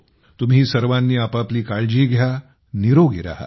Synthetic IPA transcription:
t̪umɦiːsəɾʋanːiːapapliːkaɭd͡ʑiːɡʱja | niɾoɡḭɾa̰ɦa̰

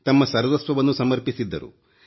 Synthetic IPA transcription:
t̪ɐmːɐsɐɾʋɐsʋɐʋɐnːusɐmɐɾpisid̪ːɐ̰ɾṵ

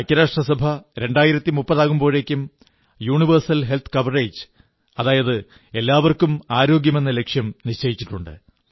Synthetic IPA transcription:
ɐkʲːɐɾaːʂʈrɐsɐbʱɐɾe̞ɳɖaːjiɾɐt̪ːimupːɐðaːɣumbo̞ːɻe̞kʲːum | juːɳiʋɐrsɐlɦe̞lt̪ʰkɐʋɐreːd͡ʑ | ɐðaːjɐðɨ | e̞lːaːʋɐrkumaːɾo̞ːɡjɐme̞nːɐle̞kʂjɐmniɕt͡ɕejit͡ɕːiʈːuɳɖɨ̰

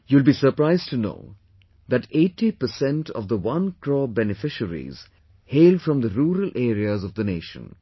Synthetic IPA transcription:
juɪlbiːsəɾpɾaɪzʈʰuno̰ː | d̪æʈeːʈːipəsɛ̃nʈʰɔ̰vd̪əwʌ̃nkʰɾɔːbɛnɪfɪʃəɾḭz̥ | heːlɖfɾɔ̃md̪əɾuːɾəlʔeːɾiəzɔvd̪əneːʃə̰̃n

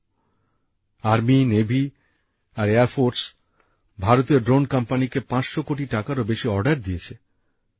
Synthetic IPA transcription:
aɾminebʱi | aɾeaɾfoɾs | bʱaɾot̪ioɖɾonkampanikepãt͡ɕʃokoʈ̬iʈakaɾobeʃiɔɾɖaɾd̪iet͡ɕʰe

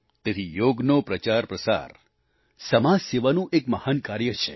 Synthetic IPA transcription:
t̪et̪ʰijoɡnopɾət͡ʃaɾpɾəsa̰ɾ | səmaseʋanũʔekməhankaɾjət͡ʃʰe

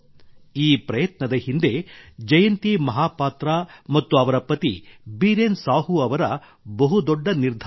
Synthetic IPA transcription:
iːpɾɐjɐt̪nɐd̪ɐhind̪e̞d͡ʒɐjɐnt̪imɐɦaːpaːt̪ɾaːmɐt̪ːuɐʋɐɾɐpɾɐt̪ḭbiːɾensaːɦuɐʋɐɾɐ | bɐɦud̪ɔɖːɐniɾd̪ʱ

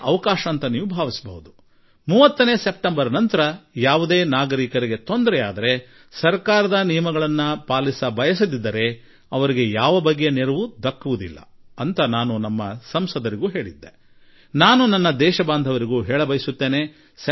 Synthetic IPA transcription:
ɐʋɐkaːʃɐːnt̪ɐniːʋubʱaːʋisɐbɐ̰ɦud̪u | muːʋɐt̪ːɐneːsep̚ʈembɐɾɐnɐnt̪ɐɾɐjaːʋud̪e̞ːnaːɡɐɾiːkɐɾiɡe̞t̪o̞nd̪ɐɾɛa̰ːd̪ɐɾe̞ | sɐɾkaːɾɐd̪ɐnijɐmɐɡɐɭɐnːɐpaːlisɐbɐjɐs̬ɐd̪id̪ːɐɾe̞ | ɐʋɐɾiɡe̞jaːʋɐbɐɡːjeneɾuʋud̪ɐkːuʋud̪ilːɐ̰ɐnt̪ɐnaːnunɐmːɐsɐmsɐd̪ɐɾiɡuːɦe̞ːɭid̪ːe | naːnunɐnːɐd̪ɛːʃɐbaːnd̪ʱɐʋɐɾiɡuːɦɛːɭɐbɐjisut̪ːeːne̞ | s

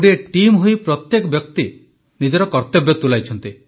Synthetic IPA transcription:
ɽieʈimɦojpɾɔt̪jekɔbjɔkt̪i | nid͡ʒɔɾɔkɔɾt̪ɔbjɔt̪ulajt͡ʃʰɔnt̪i

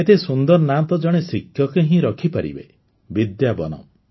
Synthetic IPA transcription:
et̪esund̪ɔɾnat̪ɔd͡ʒɔɽ̃esikʰjɔkeɦĩɾɔkʰipaɾḭbḛ | bid̪jabɔ̰nɔ̰

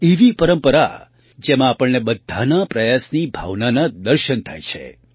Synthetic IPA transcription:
eʋipəɾəmpəɾa̰ | d͡ʒemãːpəɭnebəd̪ʱːanapɾəjasnibʱa̰ʋnanad̪əɾʃənt̪ʰajt͡ʃʰḛ

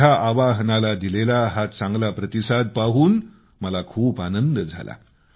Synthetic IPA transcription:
aʔaʋaɦnalad̪ilelaɦat̪t͡sãŋɡlapɾət̪isad̪̚paɦuːn | məlakʰuːpanənd̪əd͡zʱa̰la̰

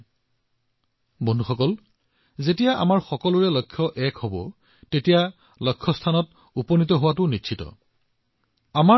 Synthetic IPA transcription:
bondʱuxɔkɔl | zetijaʔa̰maɹxɔkɔlʊɹɛlɔkʰːjɔʔɛkhobɔ̰ | tetija | lɔkʰːɔstʰanɔt | upɔnit̬ɔɦʊwatʊnitːʰitɔ̰ | ama

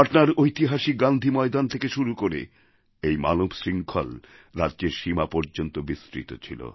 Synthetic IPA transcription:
aʈnaɾojt̪iɦaʃiɡand̪ʱimɔed̪ant̪ʰekeʃuɾukoɾḛ | ejma̰nobʃɾiŋkʰo̰l | ɾadʑeɾʃimapɔɾd͡ʑont̪obisɾḭt̪ot͡ɕʰilo̰

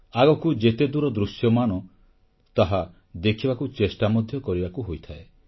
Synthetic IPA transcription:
aɡɔkud͡ʒet̪ed̪uɾɔd̪ɾusjɔmanɔ | t̪aɦa | d̪ekʰibakut͡ʃesʈamɔd̪ʱjɔkɔɾibakuɦojt̪ʰae

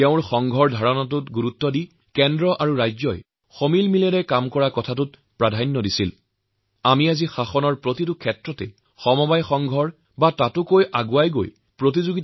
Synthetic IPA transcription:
tɛʊ̃ɹxɔŋɡʱɔɹdʱaɹɔnɔtʊtɡuɹutːɔdi | kɛndɹɔʔaɹuɹajzɔj | xomilmilɛɾɛkamkɔɹakɔtʰatʊt̚ | pɹadʱanːɔdisil | amiazixaxɔnɔɹpɹotitʊkʰɛtɹɔtɛ̰ | xɔmɔbajxɔŋɡʱɔɹ | batatʊkojʔaɡuajɡo̰j | pɹot̬izuɡit

